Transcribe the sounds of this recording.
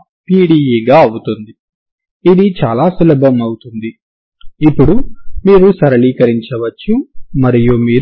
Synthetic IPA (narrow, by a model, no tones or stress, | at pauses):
piːɽiːjiːɡaːɐwut̪und̪i | id̪it͡ʃaːlaːsulɐbʱɐmɐwut̪und̪i | ipːuɽumiːɾusɐɾɐliːkɐɾiɲt͡ʃɐʋɐt͡ʃːumɐɾijuːmiːɾ